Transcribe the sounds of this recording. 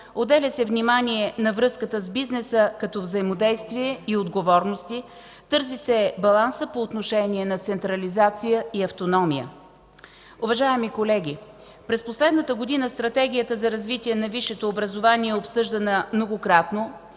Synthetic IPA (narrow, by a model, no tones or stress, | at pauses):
od̪ɛlʲɛsɛvnimaniɛnɐvɾɤskət̪əzbiznɛsəkɐt̪ɔvzəimod̪ɛjst̪viɛiod̪ɡovɔɾnost̪i | t̪ɤɾzisɛbɐlˠansəpoːt̪noʃɛnʲiɛnɐt̪sɛnt̪ɾɐlizat̪sijəiɐft̪onɔmijə̰ | ʊvɐʒaɛmikolɛɡʲi | pɾɛsposlɛd̪nət̪əɡod̪inəst̪ɾɐt̪ɛɡ̟ʲijət̪əzɐɾɐzvit̪ʲiɛnɐviʃːɛt̪oːbɾəzovaniɛopsɤʒd̪ɐnəmnoɡokɾat̪no